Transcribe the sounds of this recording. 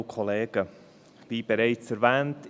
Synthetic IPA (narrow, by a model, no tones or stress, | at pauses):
kʰɔleːɡ̥ə | viːb̥ɛɾaɪt͡sɛɾvɛːnt